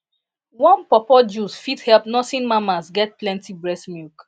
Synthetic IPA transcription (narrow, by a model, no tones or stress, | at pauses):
wɔ̃npɔpɔd͡ʒusfidhɛlpnɔtĩnmamasɡɛt̚plɛ̃ntibɹɛsmjuk